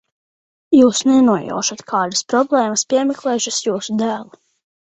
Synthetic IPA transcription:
juːsnɛnuɔjɔ̰ːʃat̪kʰaːd̪ḁspɾɔblˠɛːmaspʲiɛmɛklˠɛːʃasjuːsud̪æːlˠu

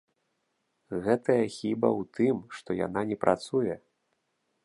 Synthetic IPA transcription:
ɣɛt̪ɐjɐxʲibɐwt̪ɨmʂt̪ɔja̰nanʲɛpɾʔa̰t̪sujɛ

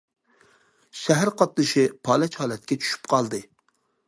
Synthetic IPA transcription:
ʃæɦæɾqʰɑt̪̚nɨʃɪpʰɑːlɛt͡ʃhɑːlɛt̪̚kʲɛt͡ʃʰy̥ʃy̥pqʰɑlˠd̪ɨ

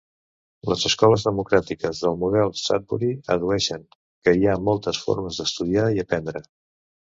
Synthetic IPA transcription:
ləzəskɔləzðəmukɾat̪ikəzðəlˠmuðɛlˠsa̰t̪̚buɾiəðuɛʃəŋ | kəiamɔlˠt̪əsfo̰ɾməzðəst̪uðiaiəpɛnd̪ɾə

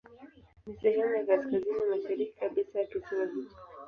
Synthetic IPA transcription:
nisɛhɛmujakaskazinimaʃaɾiki̥kaɓisajatukiwazi̥

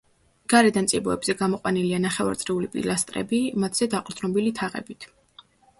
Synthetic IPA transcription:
ɡ̥aɾɛd̪ant̪sʼibɔɛbz̥ɛɡamɔqʼwanilianaχɛva̰ɾt̪sʼɾiulipʼḭlast̪ʼɾɛ̰bimat̪ʰz̥ɛd̪aqʼɾd̪ʼnɔbilit̪ʰaʁɛ̰bit̪ʰ

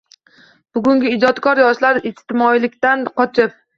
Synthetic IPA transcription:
b̥ʊɡʲʊŋɡʲɪɪd͡ʒɒt̪kʰɒɾjɒʃlaɾɪst̪ɪmɒilɪkʲt̪anqʰɒt͡ʃʰɪp̚

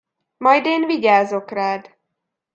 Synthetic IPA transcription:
mɒjd̪eːnviɟaːzo̞kraːd̪

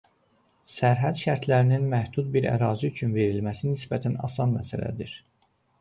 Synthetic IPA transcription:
sæɾɦæd̪ʃæɾt̪ʰlæɾininmæhd̪̥ud̪̚biɾæ̰ɾɑːziyt͡ʃʰynve̞ɾilmæsinisbæt̪ʰænɑ̰sɑnmæsælæ̰d̪iɾ

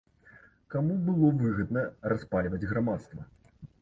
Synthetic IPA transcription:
kamubɨlˠɔvɨɣɐd̪nɐraspalʲvɐd͡zʲɣɾamat̪st̪vɐ

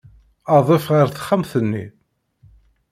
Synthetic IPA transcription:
ɑðˤefʁaɾθə̥χːamθənːi

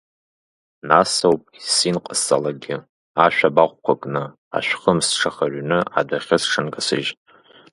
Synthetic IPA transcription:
nasowpʼisinqʼəsʼa̰laɡʲɪ | aʃᶣabaχʷkʷʰakʼnɨ | a̰ʃʷᶣχəmsʈ͡ʂʰaχarnɨa̰daχʲɪsʈ͡ʂʰɨnɡasɨ̰ʒʼ

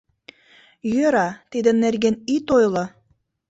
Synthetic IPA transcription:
jøɾɑt̪id̪ə̆nːerɣenit̪ojlɤ

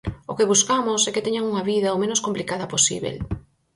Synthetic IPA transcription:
okeβuskamʊsɛket̪ɛɲaŋuŋɐβiðɐomẽnoskomplikaðɐposḭβḛl

